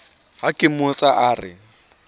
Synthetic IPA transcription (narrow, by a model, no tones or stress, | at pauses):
ɦakʼɪmʊt͡sʼaʔaːrɪ̰